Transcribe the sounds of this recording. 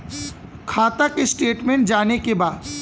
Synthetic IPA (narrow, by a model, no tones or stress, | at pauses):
kʰaːt̪akesʈeːʈmẽɳʈ̚d͡ʒaːnekebaːd̪